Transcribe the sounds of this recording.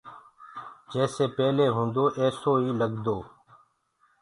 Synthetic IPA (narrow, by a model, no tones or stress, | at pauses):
d͡ʒɛːseːpɛːleːɦõːnd̪oːʔɛːsoːiːləɡd̪oː